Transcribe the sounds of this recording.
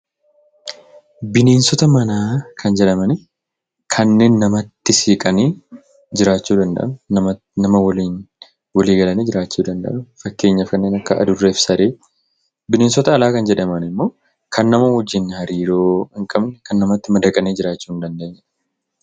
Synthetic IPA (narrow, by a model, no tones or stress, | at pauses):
bɪne̞ːnsɔt̪ɐmɐnaːkʰɐnd͡ʒɛᶑɐmɐnɪ | kʰɐnːe̞ːnːɐmɐt̪ːɪsiːkʼɐniː | d͡ʒɪɾaːt͡ʃːuːd̪ɐnd̪ɐ̰ʔɐnʊ | nɐmɐwɐliːn | wɐliːɡɐlɐniːd͡ʒɪɾaːt͡ʃːuːd̪ɐnd̪ɐ̰ʔɐnʊfɐkːe̞ːɲːɐfkɐnːeːnɐkːɐʔɐ̰d̪ʊrːeːfsɐɾeː | bɪne̞ːnsɔt̪ɐːlaːkɐnd͡ʒɛᶑɐmɐnɪmːo̞ː | kʰɐnːɐmɐwɔd͡ʒːɪnːhɐɾiːɾoːhɪŋkʼɐbnɛkɐnːɐmɐt̪ːɪmɐd̪ɐkʼɐneːd͡ʒɪɾaːt͡ʃːuːɪnd̪ɐnd̪eːɲːɛ